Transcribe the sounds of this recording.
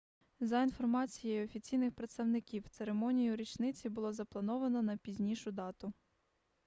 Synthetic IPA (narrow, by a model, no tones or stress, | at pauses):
zɐinfɔrmɑt͡sʲijejɔfʲit͡sʲijnɪxpɾet̪st̪ɐwnɪkʲiwt̪seɾemɔnʲijʊɾʲit͡ʃnɪt͡sʲibʊlˠɔzɐplˠɐnɔʋɐnɔnɐpʲizʲnʲiʃʊd̪ɑt̪ʊ